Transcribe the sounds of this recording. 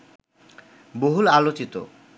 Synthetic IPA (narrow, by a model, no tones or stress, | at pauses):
boɦulalot͡ɕit̪o̰